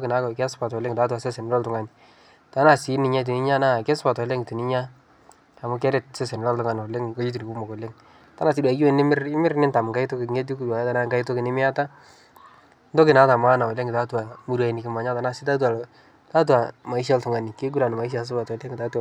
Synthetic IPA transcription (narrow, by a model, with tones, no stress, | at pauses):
ɔ˦kɪ˨na˨˦kkɛ˦spa˨tle˦ŋɪ˨ta˦t̬u˨a˨sɛ˦sɛ˨nɪ˦lɔ˦ltʊ˨ŋa˨nɪ˨ | ta˨˦na˨sɪ˨˦nɪ˨ɲa˦t̬i˨nɪ˦ɲa˦na˦˨kɛ˦sʊ˦pa˨tɔ˨˦lɛ˦ŋɪ˨ti˨nɪ˦ɲa˦ | a˨mʊ˦kɛ˦ɾɛ˦t̚sɛ˦sɛ˨n˨lɔ˦ltʊ˨ŋa˨n˨ɔ˨le˦ŋka˦d͡ʒi˦t̬u˨ni˨ku˦mɔ˨kɔ˨le˦ŋ | ta˦na˨s̬ɪ˦dwa˨˦ɡi˦wɛ˦˨nɪ˦mɪ˦ɾɪ˦mɪ˦ɾnɪ˦nta˨m˨ka˦i˦to˦kɪ˨ŋe˦t̬i˦ku˨da˨jɛ˦ta˨na˦ŋɡa˦ɪ˦to˦kɪ˨nɪ˦mɪ˦a˦ta˦ | n˦dɔ˦kɪ˨na˨˦ta˨m˦a˦na˨wɔ˨le˦ŋɡɪ˨ta˦tu˨a˨mu˦ɾa˨i˨nɪ˨kɪ˨ma˨ɲa˦ta˨˦na˨sɪ˦ta˦t̬wa˨l | ta˦t̬wa˨ma˨i˦ʃ̬a˦ltʊ˨ŋa˨nɪ˨ke˦ɡ̬u˦ɾa˨n˨ma˨i˦ʃ̬a˨s̬ʊ˦pa˨tɔ˨le˦ŋɡɪ˨ta˦tua˨